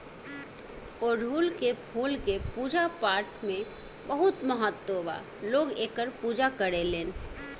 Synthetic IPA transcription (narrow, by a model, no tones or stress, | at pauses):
ɔːɾɦuːlkepʰuːlkepuːd͡ʒapaːɾʈmẽ | bəɦʊt̪məɦət̪ːoʋa̰ | loːɡeːkəɾpuːd͡ʒakəɾeleːn